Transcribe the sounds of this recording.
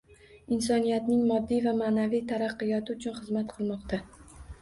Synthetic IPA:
ɪnsɒnijat̪nɪŋmɒd̪ːijvamanavijt̪ʰaɾɑqːɨjɒt̪ʰɪʊt͡ʃʰʊnχɨzmat̪qʰɨlˠmɒqt̪ʰa

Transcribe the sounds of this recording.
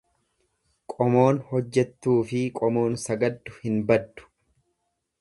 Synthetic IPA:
kʼɔmo̞ːnhɔd͡ʒːɛt̪ːuːfɪkʼɔmo̞ːnsɐɡɐd̪ːʊhɪnbɐd̪ːʊ̥

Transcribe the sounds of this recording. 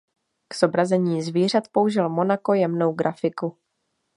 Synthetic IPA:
kz̥o̞bɾazɛɲiːzviːr̝at̪pouʒɪlmo̞nako̞jɛmno̞wɡɾʔafɪku

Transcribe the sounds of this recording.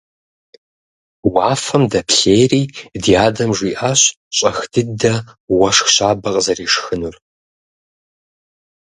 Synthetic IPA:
waːfɐmdɐpɬeːjriːdiaːdɐmʒʷiːʔaɕ | ɕʼɐxd̥ʰɨdɐwɐʂxɕaːbɐqʼzɐriːʂxɨnur

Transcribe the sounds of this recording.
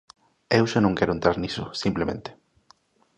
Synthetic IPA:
ewʃanõŋkɛɾoʊent̪ɾaɾnisʊ̰simplemḛ̃nt̪e̥

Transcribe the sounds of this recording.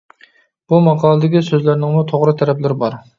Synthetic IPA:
b̥umɑqʰɑːlˠɨd̪ɪɡʲisøzlæɾnɪŋmʊt̪ʰoʁɾɨt̪ʰæɾɛplɪɾɪbɑɾ

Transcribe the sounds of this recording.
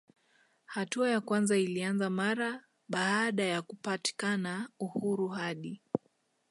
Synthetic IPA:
hatuajakwanzailianzamaɾa | ɓaːɗajakupati̥kanauhuɾuɦaɗi

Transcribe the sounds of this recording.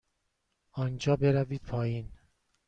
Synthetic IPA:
ɒːnd͡ʒɒːbe̞ɾæviːd̪̥̚pʰɒːjiːn

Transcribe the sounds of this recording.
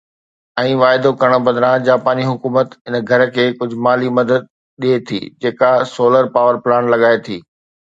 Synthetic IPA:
ɛ̃ːʋaːɪd̪okɐɽ̃̆bɐd̪ɾãd͡ʑaːpaːniɦʊkuːmət̪ɪnɡʱɐɾəkʰeːkʊd͡ʑʱʊmaːlimɐd̪əd̪̚ | ɗiet̪ʰḭːd͡ʑeːkasoːləɾpaːʋəɾplaːnlɐɠaːet̪ʰiː

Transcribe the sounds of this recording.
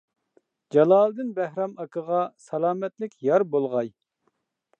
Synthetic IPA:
d͡ʒɑlˠɑːlˠɨd̪ɨnbɛhɾɑmɑkʰəʁɑsɑlˠɑːmɛt̪lɪkʲʰjɑɾbolˠʁɑj

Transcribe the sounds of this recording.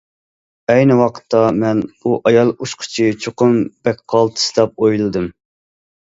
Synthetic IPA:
ɛjnɨwɑqʰə̥t̪ʰːɑmɛnuʔɑjɑlˠuʃqʰə̥t͡ʃʰit͡ʃʰoqʊmb̥ɛk̚ʲqʰɑlˠt̪ʰɨ̥sɨd̪ɑp̚ojlˠɨd̪ɨm

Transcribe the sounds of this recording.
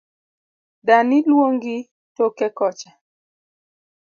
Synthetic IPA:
danɪlwoŋɡɪ | tokɛkɔt͡ʃa

